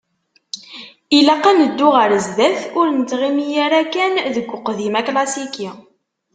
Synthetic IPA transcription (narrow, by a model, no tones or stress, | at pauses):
ilæqːænəd̪ːʊʁəɾzðæθʊɾnət͡s̪ʁimijæɾækænðəɡʷːʊqðimæklɑsiki